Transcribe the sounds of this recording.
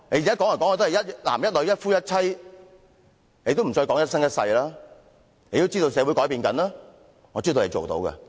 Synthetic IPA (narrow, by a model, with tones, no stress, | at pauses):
ne˨˧jaː˦˥kɔː˨˥ŋɐ˨˩kɔː˨˥ŋɔː˨˧t̪o˥hjɐ˥t̚la̰ː˨˩mjɐ˥t̚lɵ˨˧ɥjɐ˥t̚fuː˥jɐ˥t̚t͡sʰɐ˥j | ne˨˧jt̪o˥wm̩˨˩t͡sɔː˧jkɔː˨˥ŋjɐ˥t̚sɐ˥ŋjɐ˥t̚sɐ̰˧jlaː˥ | ne˨˧t̪o˥wt͡siː˥t̪o˧wsɛː˨˧wu˨˥jkɔː˨˥jpiː˧nkɐ̰˨˥naː˥ | ŋɔː˨˧t͡siː˥t̪o˧le˨˧jt͡ʃo̰˨wt̪o̰˨˧˥wkɐ̰˧